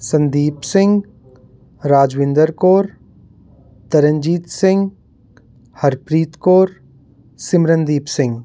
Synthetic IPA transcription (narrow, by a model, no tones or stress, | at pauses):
sɐ̃nd̪iːpsɪ̃ŋɡ | ɾaːd͡ʒʋɪ̃nd̪əɾkoːɾ | t̪ɐɾə̃ɲd͡ʒiːt̪sɪ̃ŋɡ | hɐɾpɾiːt̪koːɾ | sɪmɾənd̪iːpsɪ̃ŋɡ